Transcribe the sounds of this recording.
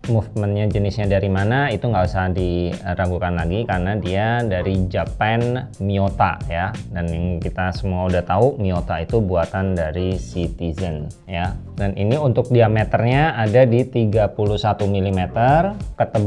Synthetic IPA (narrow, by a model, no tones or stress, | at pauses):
mufmənɲad͡ʒənɪsɲadaɾimanait̪uŋɡabisadiəɾaɡukanlaɡikarənadiadaɾid͡ʒapanmiot̪a̰jadanjaŋkit̪asəmuaudaht̪aumiot̪ait̪ubuat̪andaɾisit̪izən | ja | danḭniunt̪ʊk̚diamet̪ərɲaːdadit̪iɡapuluhsat̪umilimet̪ərkət̪əb